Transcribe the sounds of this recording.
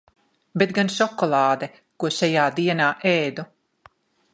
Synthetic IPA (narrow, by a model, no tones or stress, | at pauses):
bet̪ɡanʃɔkɔlˠɑːd̪ɛ | kuɔʃajaːd̪iɛnaːʔeːd̪u